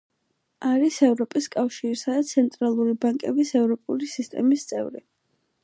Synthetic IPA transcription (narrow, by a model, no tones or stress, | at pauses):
aɾisɛvɾɔpʼiskʼafʃiɾisad̪at̪sʰɛnt̪ʼɾalˠuɾibaŋkʼɛbisɛvɾɔpʼṵlisist̪ʼɛ̰mist̪sʼɛ̰vɾi